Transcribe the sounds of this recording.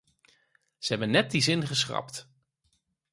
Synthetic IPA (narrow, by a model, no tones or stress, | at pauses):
z̥əɦɛbənːɛt̚dizɪnχəsχrɑ̰pt